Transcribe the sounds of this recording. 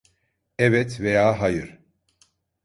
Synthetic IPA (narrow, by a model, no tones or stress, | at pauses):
ɛvɛt̪vejaːɦajɯɾ̥